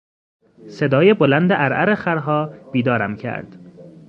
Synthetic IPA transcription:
se̞d̪ɒːjebolænd̪eʔæɾʔæɾexæɾɦɒːb̥iːd̪ɒːɾæmcʰæ̰ɾd̪̥

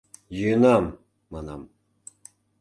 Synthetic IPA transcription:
jɯnamː | ana̰m

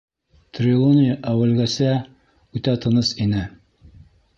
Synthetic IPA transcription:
t̪rʲɪlˠonʲɪjəʔæwɘ̆lɡæsæ | ʉt̪æt̪ɤ̆nɤsinɘ

